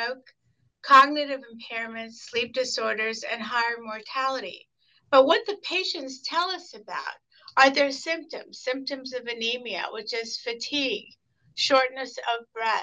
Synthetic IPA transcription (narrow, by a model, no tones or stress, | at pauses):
oʊkʰ | ɑɡ̚nɨɾɨvɨ̃m̩pʰɛɹɨmɨ̃ntslip̚d̥ɨsɔɹɾə˞zɨ̰̃nɦaɪə˞mɔɹtʰælˠəɾḭ | b̥ʌt̚wʌt̪̚ðɨpʰeɪʃɨ̃ntstʰɛlˠʌsɨba̰ʊɾ̚ | ʔə˞ðə˞sɪ̃mp̚tɨ̰̃mz̥sɪ̃mp̚tɨ̃mzʌvɨnimiɨ̰wɨt͡ʃɪz̥fɨtʰiɡ̥ | ʃɔɹtⁿnɨsʌvbɹɛ